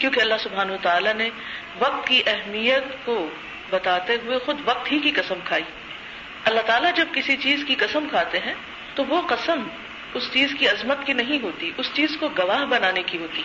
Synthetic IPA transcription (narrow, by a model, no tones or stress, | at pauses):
kjõːkeɐlːaɦsʊbʱaːnɐɐt̪aːlane | ʋɐq̚t̪kiʔɛɦmijət̪ko | bɐt̪aːt̪eɦʊexʊd̪ʋɐq̚t̪ɦikiqɐsə̃mkʰaːiː | ɐlːaɦt̪aːlad͡ʒɐb̚kɪsit͡ʃiːzkiqɐsəmkʰaːt̪eɦɛ̃ː | t̪oʋoqɐsəm | ʊst͡ʃiːzkiɐzmət̪kinɐɦĩɦoːt̪iʔʊst͡ʃiːzkoɡɐʋaːɦbɐnaːnekiɦoːt̪iː